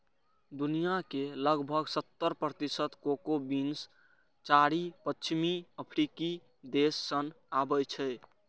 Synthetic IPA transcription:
d̪unijakeləɡbʱəɡsət̪ːəɾpɾət̪isət̪kokobins | t͡ʃaɾipət͡ʃʰimiəpʰɾiki | d̪esːən | abəjt͡ʃʰɛ

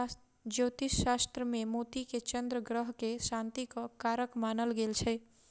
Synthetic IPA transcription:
d͡ʒoːt̪iʃːast̪ɾəmẽmot̪iket͡ʃə̃nd̪ɾəɡɾəɦkeʃãnt̪ikokaɾəkmaːnəlɡelt͡ʃʰe

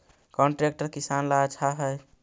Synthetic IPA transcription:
kɔɳʈɾek̚ʈəɾkisanlat͡ʃʰaɦəj

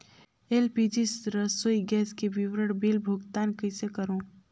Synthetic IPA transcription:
elpid͡ʒisɾəsojɡɛːskebiwɾəɽbilbʱʊɡt̪aːnkəsekəɾõː

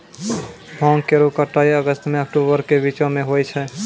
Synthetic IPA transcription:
bʱɔ̃ŋkeɾokəʈːaiəɡəst̪meəkʈobəɾkebit͡ʃõmeɦojt͡ʃʰɛ

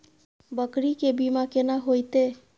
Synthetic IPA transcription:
bəkɾikebimakenaɦojt̪e

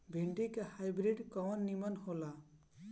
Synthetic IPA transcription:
bʱiɳʈikahajbɾiɖkɔwɔnːimʌnhola

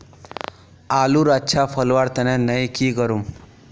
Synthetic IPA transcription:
aluɾatːɕʰafəlʋaɽt̪ənãnəjkiːɡəɾuːm

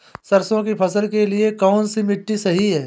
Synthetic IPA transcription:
sɐɾsõkipʰɐsəlkeliekɔːnsimɪʈːisɐɦiɦɛː

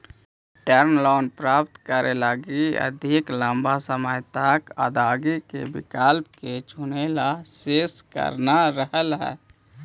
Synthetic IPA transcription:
ʈəɾnlɔːnpɾaːp̚t̪kəɾelaɡiə̰d̪ʱiklə̃mbʱasəməjt̪akə̰d̪aːɡikḛbɪ̰kalp̚ket͡ʃʰʊnelaseːskə̰ɾnaɾəɦəlɦɛ̰ː

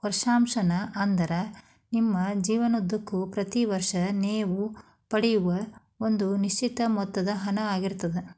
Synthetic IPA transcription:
hɔɾʂaːmʃɐnɐʔɐnd̪ɐɾɐ | nimːɐd͡ʒiːʋɐnod̪ːɐkːupɾɐt̪iʋɐɾʂɐneːʋu | pɐɽɛjuʋɐ | o̞nd̪uniʃt͡ʃit̪ɐmɔt̪ːɐd̪ɐɦɐnɐaːɡiɾt̪ːɐd̪e

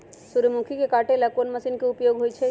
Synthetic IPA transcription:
suɾəmukʰikekaːʈẽlɐkonməɐsiːnkeʊpjoːɡɦoit͡ʃʰɛ

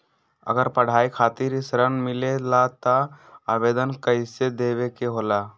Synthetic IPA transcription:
ə̰ɡəɾpəɽ̤aːikʰaːt̪iɾisɾənmɪlelat̪əaːbeːd̪ənkəɪsed̪eːʋekeɦoːla

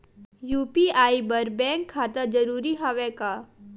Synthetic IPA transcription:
juːpiaːibəɾbɛ̃ŋkʰːat̪əd͡ʒəɾuːɾiɦaʋɛka

